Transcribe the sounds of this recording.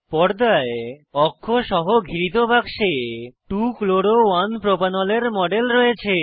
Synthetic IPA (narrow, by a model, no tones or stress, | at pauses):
pɔɽd̪aeɔkʰːoʃɔɦoɡʱiɾit̪̬obakʃeʈukloɽowanpɾopanɔleɾmɔɖelɾɔjet͡ɕʰe